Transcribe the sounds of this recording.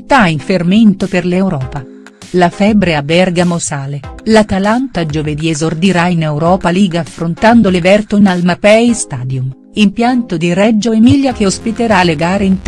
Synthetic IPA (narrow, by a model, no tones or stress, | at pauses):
t̪aiɱferment̪operlewɾɔːpa | lafɛbɾeabɛrɡamosaːlelat̪alant̪ad͡ʒoved̪iezord̪iɾainewɾɔːpaliːɡaːfɾont̪and̪olevɛrt̪onalmapɛjst̪aːd̪jum | impjant̪od̪irɛd͡ʒːoemiljakeospit̪eɾaleɡaːɾeint̪